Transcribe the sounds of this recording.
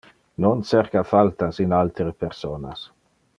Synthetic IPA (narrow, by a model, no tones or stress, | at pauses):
nonsɛɾkafalt̪asinalt̪ɾəpɛrsoːna̰s